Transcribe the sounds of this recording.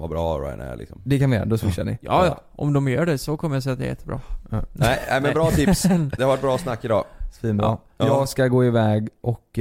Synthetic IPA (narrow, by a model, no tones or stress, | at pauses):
vabɾɑːɾa̰ɪɛ̰lʔɪ̰ksɔmd̪ɛkʰanʋɪjœ̰ɾa̰d̪ɔsmɪʃːa̰ɳɪ̰jɑ̰ːɑʔɔ̰md̪ɔmjœːɖɛsɔkʰɔməɾjasɛjːat̪d̪ɛ̰jɛt̪ːəbɾɑ̰ːɛɪɛmɛnbɾɑːt̪ʰɪpsd̪ɛhaɾvaʈ̚bɾɑːsnakːɪd̪ɑ̰ːsfiːnbɾɑ̰ | jɑːɡskaɡoːɪvɛːɡʔɔk